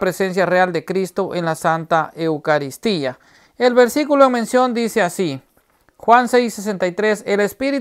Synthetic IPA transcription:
pɾesens̬jareald̪e̞kɾist̪o̞ʔenlasant̪aʔewkaɾist̪ia | elβeɾsikuloeŋmẽnsjo̞nd̪iseasi | xwansejssːes̬ent̪ajt̪ɾeselespiɾi

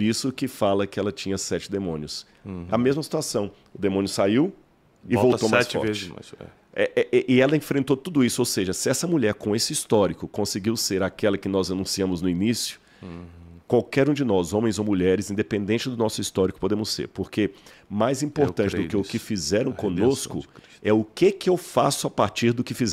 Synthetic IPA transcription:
isʊkɪfalɐkɪɛlɐt͡ʃĩɲɐsɛt͡ʃɪd̪emõnjʊs | ɐmezmɐsi̥t̪uasɐ̃w̃ | ʊd̪emõnjʊsaiw | ɪvvow̪oaɛst͡ʃɔ̰vɾezt͡ʃɪma̰sɛ̰ | ɛʔɛʔɛʔɪɛlɐẽfɾẽnt̪ot̪ud̪ʊisʊowseʒɐsɪɛsɐmuʎɛɾkõesɪist̪ɔɾikʊkõsɪɡiwseɾakɛlɐkɪnɔzanũsiɐ̃mʊznʊinisjʊ | kwawkɛɾũd͡ʒɪnɔzõmẽj̃zowmuʎɛɾɪzĩd̪epẽnd̪ẽnt͡ʃɪd̪ʊnɔsʊist̪ɔɾikʊ̥pod̪ẽmʊsːḛɾpoɾkemajzĩpoɾt̪ɐ̃t͡ʃɪd̪ʊkɪʊkɪfizɛɾɐ̃w̃kõnoskʊ | ɛʊkɪkɪewfasʊapaɾt͡ʃiɾd̪ʊkɪfizɛ

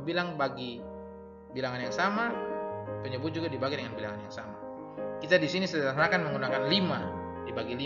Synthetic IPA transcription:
bilaŋbaɡi | bilaŋanjaŋsama | pəɲəbut̪̚d͡ʒuɡadibaɡidɛŋanbilaŋanjaŋsama | kit̪adisinisədaasnakanməŋɡunakanlima | dibaɡili

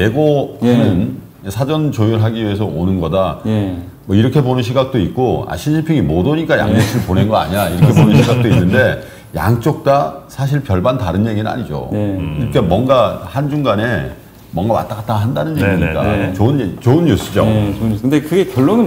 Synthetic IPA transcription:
je̞ɡohanɯn | sʰad͡ʑʌnt͡ɕojuɾɯɭɦaɡiɥie̞s̬ʰʌonɯnɡʌda | mʌiɾʌkʰe̞bonɯnɕ̬ʰiɡak̚t͈oit̚k͈oa̰ɕʰisʰimpʰiŋimodoɲik͈aja̰ŋt͡ɕokt͡ɕʰiɾɯɭponenɡʌa̰ɲiɾaiɾʌkkʰebonɯnɕʰiɡak̚t͈oinːɯnde̞ | ja̰ŋt͡ɕ͈ok̚t͈asʰaɕ̬ʰiɭpjʌɭbantaɾɯnje̞ɡinɯna̰ɲid͡ʑo̰k͈ʰemwʌŋɡahand͡ʑuŋɡane̞ | mwʌŋɡama̰t͈akat͈aɡɦandanɯnjeɡiɲik͈a̰t͡ɕoɯnet͡ɕoɯnːus͈ɯd͡ʑoɯndekɯɡe̞kjʌɭːonɯn

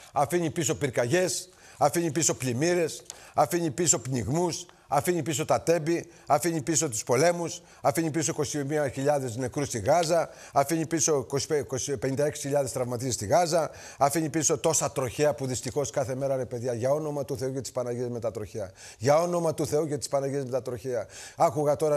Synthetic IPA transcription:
ɐfiɲipiso̞piɾkɐʝe̞s | ɐfiɲipiso̞pʎimiɾe̞s | ɐfiɲipiso̞pniɣmus | ɐfiɲipiso̞t̪ɐt̪e̞bi | ɐfiɲipiso̞t̪u̥spo̞le̞mus | ɐfiɲipisoikosimiɐçiʎɐðe̞zne̞kɾust̪iɣɐzɐ | ɐfiɲipiso̞koskope̞nind̪ɐeksi̥çiʎɐðest̪ɾɐvmɐt̪isest̪iɣɐzɐ | ɐfiɲipiso̞t̪o̞sɐt̪ɾo̞çeɐpuðist̪ixo̞skɐθe̞me̞ɾɐɾe̞pe̞ðjɐʝɐo̞no̞mɐt̪uθe̞ucɐt̪ispɐnɐʝiezme̞t̪ɐt̪ɾo̞çeɐ | ʝɐo̞no̞mɐt̪uθe̞ucɐt̪ispɐnɐʝiezme̞t̪ɐt̪ɾo̞çeɐɐkuɣɐt̪o̞ɾɐ

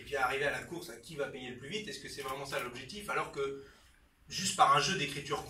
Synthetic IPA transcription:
ilvjɛ̃aʁivealakuʁsakʲivapejeləplyvit̪ɛskəsɛvʁɛmɑ̃salɔbʒɛk̚t̪ifalɔʁkə | ʒyst̪paʁɛ̃ʒød̪ekχit̪yʁk

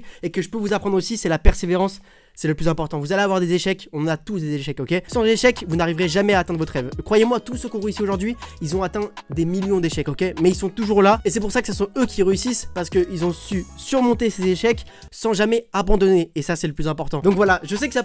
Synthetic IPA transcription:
ekəʒəpøvuzapχɑ̃d̪ʁosisɛlapɛʁseveʁɑ̃sː | ɛləplyzɛ̃pɔʁt̪ɑ̃vuzaleavwaʁd̪ezeʃɛkɔ̃nɑ̃nat̪usd̪ezeʃɛkokʲesɑ̃zeʃɛkvunaʁivʁeʒamɛaːt̪ɛ̃d̪ʁvɔt̪χɛvkχwajemwat̪usəkɔ̃ʁeysioʒuʁd̪ɥiilzɔ̃at̪ɛ̃d̪emiljɔ̃d̪eʃɛkɔkʲemɛilsɔ̃t̪uʒuʁlaesɛpuʁsakə̥səsɔ̃økʲiʁeysispaʁsə̥kəilzɔ̃sysyʁmɔ̃t̪esezeʃɛk | sɑ̃ʒamɛabɑ̃d̪ɔneːsasɛləplyzɛ̃pɔʁt̪ɑ̃d̪ɔ̃kvwalaʒəsɛkəsa

